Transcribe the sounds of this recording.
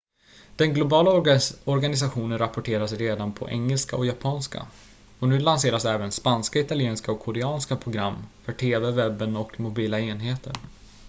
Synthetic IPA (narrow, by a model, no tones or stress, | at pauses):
d̪̥ɛnɡlʊbɑːlaɔɾɡanɪs̬aɧuːnənɾapːɔʈʰeːɾasɾeːd̪anpʰɔ̰ʔɛ̰ŋːəlskaɔkjapʰɑːnska̰ | ɔnʉ̟ːlanseːɾasɛːvənspanskaɪt̪alɪeːnskaɔkʰːɔɾɛɑːnskapʰɾʊɡɾamːfœʈʰeːvɛvɛbːənɔkmʊbiːlaeːnɦeːt̪ʰə̰ɾ